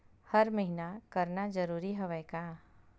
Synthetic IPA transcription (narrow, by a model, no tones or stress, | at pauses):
hɐɾmɐɦinakɐɾnad͡ʒɐɾuːɾiɦɐʋɛːkaː